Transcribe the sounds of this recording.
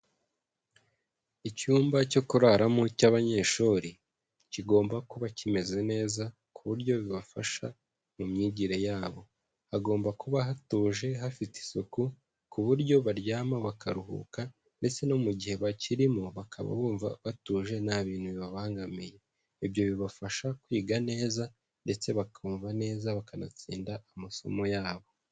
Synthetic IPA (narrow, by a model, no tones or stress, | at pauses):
icuːmbaco̞kuɾaɾamucaβaɲe̞ʃuɾi | ciɡo̞ːmbakuβacime̞ze̞ne̞ːza | kuβuɾɟo̞βiβafa̰ʃa | mumɲiːɟiɾe̞jaːβo̞ | aɡo̞ːmbakuβaɦatuːʒe̞ɦafiti̥soku | kuβuɾɟo̞βaɾjaːmaβakʰaɾuɦṵka | nde̞t͡se̞nomuɟihe̞βaciɾimuβakʰa̰βa̰βuːɱva̰βatuːʒe̞naβiːnhuβiβaβaːŋɡamije̞ | iβjo̞βiβafaʃakwiːɡane̞ːza | nde̞t͡se̞βakʰuːɱvane̞ːzaβakanat͡sḭːndaamaso̞̰mo̞jaːβo̞